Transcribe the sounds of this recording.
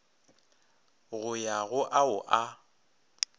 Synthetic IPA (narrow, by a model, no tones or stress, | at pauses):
ɣʊjaɣʊʔaʊʔa